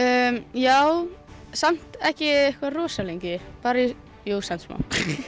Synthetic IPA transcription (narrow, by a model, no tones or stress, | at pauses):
jaːwsam̥t̪ɛhcɪehkvarɔːsaleɲcɪpaːɾai | joːwsɛnsma̰wn̥